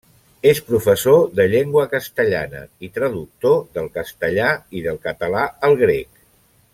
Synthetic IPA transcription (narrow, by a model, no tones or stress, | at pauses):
espɾufəsoðəʎeŋɡwəkəst̪əʎa̰nə̰it̪ɾəðuk̚t̪oðəlˠkəst̪əʎaiðəlˠkət̪əlaəlˠɣɾek